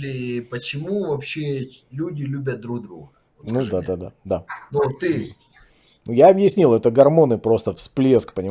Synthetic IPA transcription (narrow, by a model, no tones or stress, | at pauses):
lʲɪpət͡ɕɪmuvɐpɕːelʲudʲɪlʲubʲət̪̚d̪ɾuɡd̪ɾṵɡə | nud̪aad̪a̰d̪anut̪ːɨ | nujaɐbjɪsʲnʲilˠɛt̪əɡɐrmo̞nɨpɾo̞st̪əfsplʲeskpənʲɪ